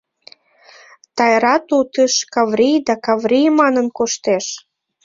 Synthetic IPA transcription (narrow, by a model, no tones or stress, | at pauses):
t̪ɑjɾɑt̪ut̪əʃkɑvrijd̪ɑkɑvrijmɑnənkoʃt̪eʃ